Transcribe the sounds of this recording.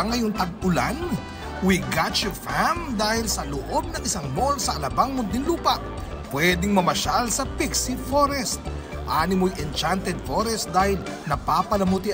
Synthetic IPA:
ŋɐjoŋt̪ɐɡ̚ʊlan | wiɡat͡ʃʊfamd̪aːhɪlsɐloʔob̚nɐŋɪsaŋnolsɐʔɐlɐbaŋmʊnd̪ɪnluːpɐʔ | pwɛd̪ɪŋmɐmɐʃalsɐpiksifoɾɛst̪̚ | ʔaːnɪmojʔɛnt͡ʃant̪ɛd̪̚foɾɛst̪̚d̪aːhɪlnɐpapɐlɐmʊt̪i

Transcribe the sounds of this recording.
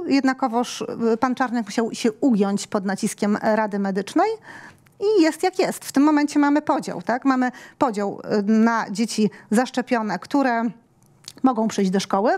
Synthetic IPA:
jɛd̪nakɔvɔʂpant͡ʂaɾɲɛkmuɕawɕɛuɡʲjɔɲt͡ɕpɔd̪nat͡ɕiskʲɛmɾad̪ɘmɛd̪ɘt͡ʂnɛj | ijɛst̪jakʲjɛst̪ft̪ɘmːɔmɛɲt͡ɕɛmamɘpɔd͡ʑa̰wt̪akmamɘpɔd͡ʑawnad͡ʑet͡ɕizaʂt͡ʂɛpʲjɔnɛkt̪uɾɛ | mɔɡɔ̃w̃pʂɘjʑd͡ʑʲd̪ɔʂkɔwɘ

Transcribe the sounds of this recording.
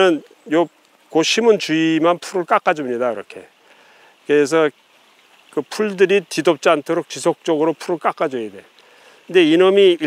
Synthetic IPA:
ɯn | jo | koɕʰimɯnt͡ɕuimanpʰuɾɯɭk͈ak͈ad͡ʑomɲidaiɾʌ̰kʰe̞ | keːs̬ʰʌ | kɯpʰuɭdɯɾitidop̚t͡ɕ͈iantʰoɾok̚t͡ɕisʰok̚t͡ɕ͈ʌɡɯɾopʰuɾɯɭk͈ak͈ad͡ʑojede̞ | ɯnde̞inɯmii

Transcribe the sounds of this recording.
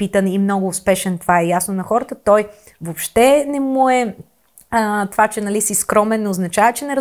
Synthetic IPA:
it̪ənimnɔɡʊːspɛʃɛnt̪ovaɛjasnonɐxɔɾət̪ət̪ɔj | vopʃt̪ɛnɛmuɛ | ət̪ovat͡ʃɛnɐlisiskɾɔmɛnːoznɐt͡ʃavət͡ʃɛnɛɾ

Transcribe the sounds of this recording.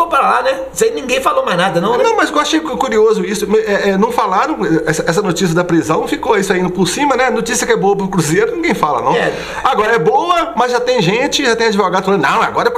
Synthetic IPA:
opɾalanɛ | sajnĩɡẽj̃falomaznad̪ɐnɐ̃w̃nɐ̃w̃mɐzewaʃejkuɾiozʊisʊmɛɛnɐ̃w̃falaɾɐ̃w̃ɛsɐɛs̬ɐnot͡ʃis̬jɐd̪ɐpɾizɐ̃w̃fikoaisʊaĩnd̪ʊpʊɾsĩmɐnɛɐnot͡ʃisjɐkɛboɐpɾʊkɾuzeɾʊnĩɡẽj̃falɐ̰nɐ̰̃w̃ɛ | aɡɔɾɐɛbowɐmɐzʒat̪ẽj̃ʒẽt͡ʃɪʒat̪ẽj̃ad͡ʒivoɡad̪ʊflɐ̃d̪nɐ̃w̃ɛa̰ɡɔɾɐɛ

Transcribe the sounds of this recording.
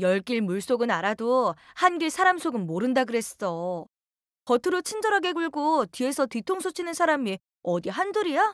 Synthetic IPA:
jʌɭk͈iɭmuɭs͈oɡɯnaɾadohanɡiɭsʰaɾamsʰoɡɯnmoɾɯndaɡɯɾe̞ss͈ʌ | kʌtʰɯɾot͡ɕʰind͡ʑʌɾɦaɡe̞ɡɯɭɡotie̞sʰʌtitʰoŋsʰot͡ɕʰinɯnsʰaɾami | ʌdiɦandoɾija

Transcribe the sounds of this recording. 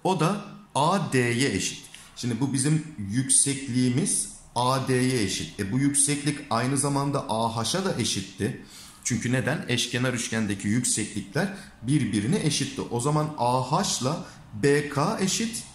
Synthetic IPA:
o̞d̪aaːd̪eːjɛeʃi̥t̪ | ʃimd̪ibubizimjycʲsɛclʲiːmiz̥ | aːd̪ejɛeʃit̪ɛbujycsɛclʲicajnɯzamand̪aʔaːɦaʃad̪aʔe̞ʃit̪ʰːɪ | t͡ʃʰyɲcʰyne̞d̪ænɛʃcenaɾyʃcænd̪ecʰijycsɛclʲiclʲæɾ | biɾbiɾiniʔeʃit̪ʰːɪʔo̞zamanaːhaʃlˠa | beːkʰaːeʃit̪

